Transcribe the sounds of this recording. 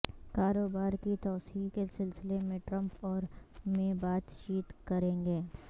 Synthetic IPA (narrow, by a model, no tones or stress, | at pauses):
kaːɾoːbaːɾkit̪ɔːsiːkesɪlsɪlemẽʈɾɐ̃mpɔːɾmẽːbaːt̪t͡ʃiːt̪kɐɾẽːŋɡeː